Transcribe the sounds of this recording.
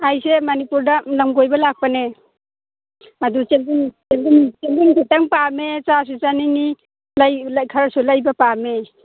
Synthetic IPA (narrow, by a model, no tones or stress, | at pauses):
ajsemanipuɾdalamɡojbalak̚pane | adut͡ʃeliŋt͡ʃeldiŋt͡ʃeldiŋkʰitaŋpamet͡ʃas̬uzaniŋi | lajlakʰaɾasulajbapame